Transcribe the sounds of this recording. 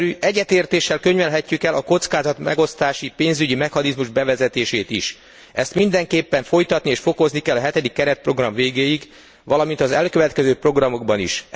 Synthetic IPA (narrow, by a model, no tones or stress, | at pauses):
yːʔɛɟːɛt̪eːrt̪eːʃːɛlkøɲvɛlɦɛcːykɛlʔɒko̞t̪skaːzɒt̪mɛ̰ɡo̞st̪aːʃipeːnzyɟimɛxɒnizmuʒbɛvɛzɛt̪eːʃeːt̪iʃ | ʔɛst̪mind̪ɛŋkeːpːɛɱfo̞jt̪ɒt̪nieːʃfo̞ko̞znikɛlːɒɦɛt̪ɛd̪ikːɛɾɛt̪̚pro̞ɡrɒɱveːɡeːjiɡ | ʋɒlɒmint̪ɒzɛlkøvɛt̪kɛzøːpro̞ɡrɒmo̞ɡ̚bɒnḭʃ